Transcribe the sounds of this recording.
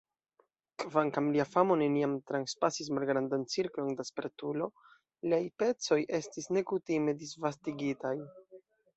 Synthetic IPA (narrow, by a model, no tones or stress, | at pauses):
kvaŋkamliafamo̞ne̞niamt̪ɾanspasis̬malɡɾandant͡siɾklo̞ndaspe̞ɾtulo̞ | liajpe̞t͡so̞jʔe̞stisne̞kutime̞disvastiɡitaj